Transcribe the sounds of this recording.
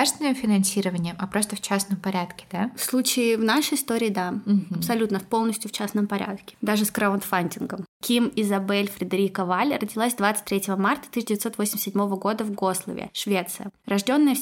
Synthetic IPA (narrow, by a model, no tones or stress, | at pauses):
ast̪vʲɪnəmfʲɪnɐnsʲiɾəvənʲɪjəmʔɐpɾo̞st̪əft͡ɕasnəmpɐɾʲat̪kʲɪ̥d̪afslˠut͡ɕɪɪvnaʂɨjɪst̪o̞ɾʲɪːd̪aɐpsɐlʲut̪nəpo̞lˠnəsʲtʲjʊft͡ɕasnəmpɐɾʲʔa̰t̪kʲɪ̥d̪aʐɨskɾaʊnt̪fanʲtʲɪnɡəmkʲimɪzɐbɛlʲfɾʲɪd̪ɐɾʲikəvalʲrədʲɪlˠasʲd̪vat̪sɨ̥t̚ʲt̪ʲːɾʲetʲɪvəmart̪ə̥t̪ɨɕːdʲɪvɪt̪o̞t̪vosʲɪmʲsʲɪdʲmo̞vəɡo̞d̪əvɡo̞slˠə̰vʲɪ̰ʂvʲe̞t̪sɨjərɐʐdʲo̞nːəjə